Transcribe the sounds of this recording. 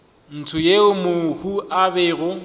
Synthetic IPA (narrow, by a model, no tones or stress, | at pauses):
n̩tʰʊjeʊmʊhuʔabɛːɣʊ